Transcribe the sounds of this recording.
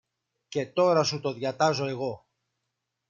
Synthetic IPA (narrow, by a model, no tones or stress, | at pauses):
ce̞t̪o̞ɾɐsut̪o̞ðʝɐt̪ɐzo̞e̞ɣo̞